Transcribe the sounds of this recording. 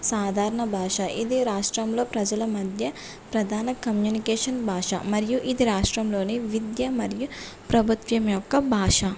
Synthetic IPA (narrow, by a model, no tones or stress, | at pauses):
saːd̪ʱaːɾɐɳɐbʱaːʂɐʔid̪iɾaːʂʈɾɐmlo̞ːpɾɐd͡ʒɐlɐmɐd̪ʱjɐ | pɾɐd̪ʱaːnɐkɐmjuːnikeːʂɐnbʱaːʂɐ̰mɐɾijuʔid̪iɾaːʂʈɾɐmlo̞ːniʋid̪jɐmɐɾiju | pɾɐbʱut̪ʋjɐmjɔkːɐbʱaːʂɐ